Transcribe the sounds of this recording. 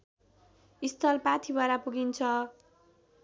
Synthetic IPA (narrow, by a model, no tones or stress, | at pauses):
ist̪ʰʌlpat̪ʰibʱaɾapuɡint͡sʰʌ